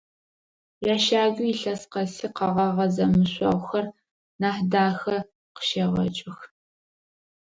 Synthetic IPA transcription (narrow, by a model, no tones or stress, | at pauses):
jaːʃaːɡʷʊiɬɐsqɐsiːqɐʁɐʁɐzɐmɨɕʷʼɐ̰ʁʷxɐr | naːħdaːxɐ | qə̥ʃeʁɐ̰t͡ʃʼɪx